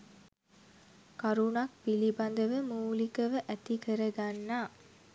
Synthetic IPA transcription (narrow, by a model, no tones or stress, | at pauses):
kaɾunak̚pilibɐnd̪əʋəmuːlikəʋəʔæt̪ikəɾəɡanːaː